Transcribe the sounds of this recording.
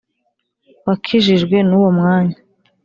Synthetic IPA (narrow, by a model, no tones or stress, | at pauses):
wakʰiʒiʒɡwe̞nuwomŋaːɲa